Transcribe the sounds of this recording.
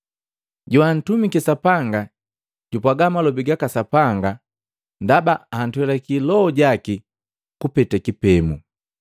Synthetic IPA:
ɟuan̩tumikisapaŋɡa | ɟ̥upaɡamalɔbiɡakasapaŋɡa | ndabaan̩twɛlakilɔːɟaki | kupɛtakipɛmu

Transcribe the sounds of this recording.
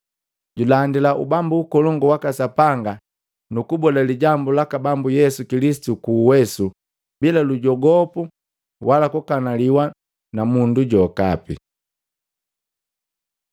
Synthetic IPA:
ɟulandilaʔṵbambuːkɔlɔŋɡɔwakasapaŋɡa | nukubɔdaliɟambulakabambujɛsukilisi̥tukuːwɛsu | bilaluɟɔɡɔpu | walakukanaliwa | namunduɟɔka̰pḭ

